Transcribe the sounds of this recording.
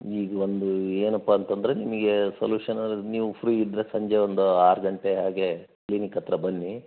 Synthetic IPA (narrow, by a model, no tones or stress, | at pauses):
iːɡɐo̞nd̪ueːnɐpːɐːnt̪ɐnd̪ɾe̞nimɐɡe̞sɐljuːʂɐnɐniːʋupʰɾiːid̪ɾesɐɲd͡ʒe̞ond̪uaːɾɐɡɐɳʈeɦaːɡe̞ | kliːnikɐt̪ɾɐbɐnːi